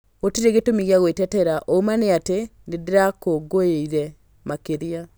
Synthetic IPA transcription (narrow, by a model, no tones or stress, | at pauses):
otiɾeɣetomiɣeaɣwetɛtɛɾaʔoumaneatenedeɾakoɡoeiɾɛ | makeɾia